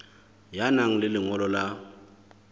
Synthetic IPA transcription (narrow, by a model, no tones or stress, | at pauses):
janaŋ̩lɪlɪŋɔlɔla